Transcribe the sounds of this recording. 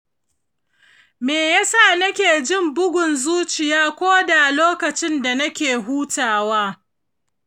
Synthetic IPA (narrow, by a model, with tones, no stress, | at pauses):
meː˨ja˦sa˦˨nɐ˦kʲeː˨d͡ʒɪ˦˨mbʊ˦ɡʷʊ˨nzuː˦t͡ʃɪ˨jaː˦kʷoː˦da˨loː˦kɐ˨t͡ʃɪ˦nda˨nɐ˦kʲeː˨ɦuː˦taː˨waː˦